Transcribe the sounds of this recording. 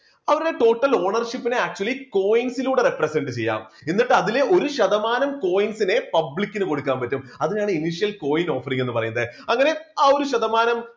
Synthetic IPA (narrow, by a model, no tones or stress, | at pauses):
ɐʋɐɾuɽe̞ʈo̞ːʈːɐlo̞ːɳɐrʂipːineaːk̚t͡ɕuɐliko̞ːjiŋsiluːɽe̞represe̞ɳɖɨt͡ɕe̞jːa̰ːm | inːiʈːɨɐðile̞ʔo̞ɾuɕɐðɐmaːnɐmko̞ːjiŋsine̞pɐblikʲːinɨko̞ɽukːaːmpɐtːumɐðiɲaːɳɨiniʂijɐlko̞ːjino̞ːfːɐriŋːe̞nːɨpɐrɐjunɐðɨɐŋːɐne̞aːoɾuɕɐðɐmaːnɐm